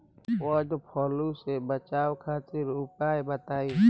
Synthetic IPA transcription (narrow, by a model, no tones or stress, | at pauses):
ɔd͡ʒopʰɔːlusebət͡ʃaːwkʰaːt̪ɪɾʊpaːebət̪aːi